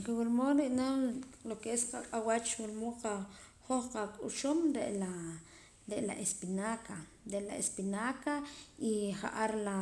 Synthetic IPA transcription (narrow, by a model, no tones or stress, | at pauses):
qewilmoɾiʔnalokeesqaqʼawat͡ʃwulmoqa | χoχqakʼuʃumɾeʔla | ɾeʔla̰ʔespinaka | ɾeʔlaespinakaiχa̰ʔaɾla